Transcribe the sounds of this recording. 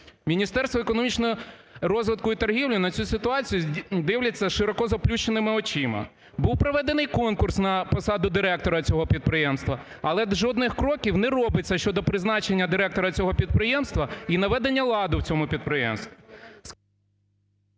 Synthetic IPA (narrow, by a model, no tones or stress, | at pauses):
mʲinʲist̪ɛrst̪ʋɔekɔnɔmʲit͡ʃnɔɔɾɔzʋɪt̪̚kʊit̪ɐrɦʲiwlʲʊnɐt͡sʲusɪt̪ʊɑt͡sʲijʊd̪ɪwlʲɐt͡sʲːɐʃɪɾɔkɔzɐplʲut͡ʃenɪmɪɔt͡ʃimɐ̰ | buwpɾɔʋɛd̪enɪjkɔnkʊrsnɐpɔsɑd̪ʊd̪ɪɾɛk̚t̪ɔɾɐt͡sʲɔɦɔpʲid̪̚pɾɪjɛmst̪ʋɐ | ɐlˠɛd̪ʒɔd̪nɪxkɾɔkʲiwnɛɾɔbɪt͡sʲːɐʃt͡ʃɔd̪ɔpɾɪznɑt͡ʃenʲːɐd̪ɪɾɛk̚t̪ɔɾɐt͡sʲɔɦɔpʲid̪̚pɾɪjɛmst̪ʋɐinɐʋɛd̪enʲːɐlˠɑd̪ʊwt͡sʲɔmʊpʲid̪̚pɾɪjɛ̰mst̪ʋʲis